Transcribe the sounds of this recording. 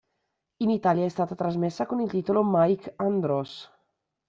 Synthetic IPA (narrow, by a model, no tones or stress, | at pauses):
init̪aljaɛst̪aːt̪at̪ɾazmesːakonilt̪it̪olomajkand̪ɾɔs